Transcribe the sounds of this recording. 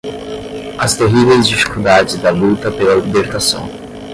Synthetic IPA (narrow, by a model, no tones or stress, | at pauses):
ɐst̪eɦivejzd͡ʒifi̥kud̪ad͡ʒɪzd̪ɐlut̪ɐpelɐlibeɾt̪asɐ̰̃w̃